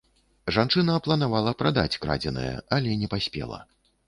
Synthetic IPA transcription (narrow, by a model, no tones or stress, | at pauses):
ʐant͡ʂɨnɐːplˠɐnavalˠɐpɾad̪at͡sʲkɾa̰d͡zʲɛnɐ̰jɛ̰alʲɛnʲɛpasʲpʲɛ̰lˠɐ̰